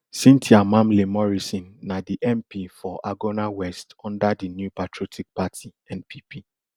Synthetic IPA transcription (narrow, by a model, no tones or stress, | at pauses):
sĩntʰiamãmlemɔɹisĩnːadiʔɛ̃mpifɔʔaɡonawɛstɔ̃ndadinjupatʰɹotʰik̚patʰi | ɛ̃npʰipʰi